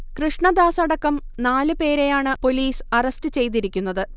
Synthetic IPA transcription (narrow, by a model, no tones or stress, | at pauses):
krɨʂɳɐd̪aːsɐɽɐkːɐm | naːlɨpe̞ːɾe̞jaːɳɨpo̞liːsɐrɐstɨt͡ɕe̞jt̪̬iɾikʲːun̪ːɐðɨ